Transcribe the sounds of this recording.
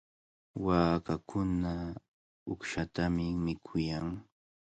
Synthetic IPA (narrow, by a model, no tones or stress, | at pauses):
waːkakʰʊna | ʊkʃat̪amɪmɪkʰʊjaŋ